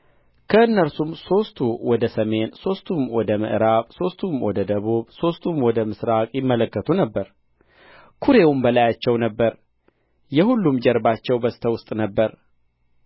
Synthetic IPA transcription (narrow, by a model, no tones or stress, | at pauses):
kʰəɨnːəɾsumso̞st̪ʰuwɔd̪əsəme̞nso̞st̪ʰumwɔd̪əmɨ̰ʔɨɾaβso̞st̪ʰumwɔd̪əd̪əβuβso̞st̪ʰumwɔd̪əmɨsɾakʼjɪmːələkːət̪ʰunəbːəɾ | kʰuɾe̞wumbəlajat͡ʃːɛwnəbːəɾ | jɛhulːumd͡ʒɛɾbat͡ʃːɛwbəsɨ̥t̪ʰəwʊst̪ʼnəbːəɾ